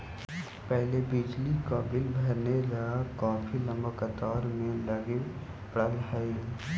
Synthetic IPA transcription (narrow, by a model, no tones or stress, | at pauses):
pɛɦlebɪd͡ʒlikaːbɪlbʱɐɾnelɐaɡakɔ̃ːfilɐ̃mbəkət̪ɔːɾmẽlɐɡe | pɽəlɦəi